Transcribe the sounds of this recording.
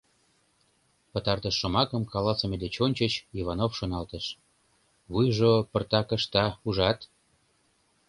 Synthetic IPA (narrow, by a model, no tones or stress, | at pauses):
pət̪ɑrt̪əʃːomɑkəmkɑlɑsəmed̪et͡ɕonʲt͡ɕət͡ɕiβɑnofʃonɑlt̪əʃ | βujʒopərt̪ɑkə̆ʃt̪ɑuʒɑt̪